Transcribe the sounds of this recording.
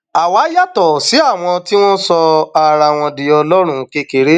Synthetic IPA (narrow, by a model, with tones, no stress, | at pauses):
a˨wa˨˦ja˦tɔ˨si˨˦a˦˨w̃ɔ̃˧ti˦w̃ɔ̃˦sɔ˧a˨ɾa˨w̃ɔ̃˧di˨ɔ˧lɔ˦ɾ̃ũ˧ke˧ke˨ɾe˦